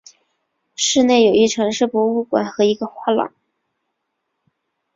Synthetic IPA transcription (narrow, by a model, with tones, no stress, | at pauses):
ʂɻ̩˥˧ne˥˩ɪjo˨˩ʊi˥˩ʈ͡ʂʰɤ˧˥ŋʂɻ̩˥˩pwɔ˧˥u˥˩kwa̰˨˩nxɤ˧˥i˧˥ɡə˧xwa˥˩lɑ̰˨˩˦ŋ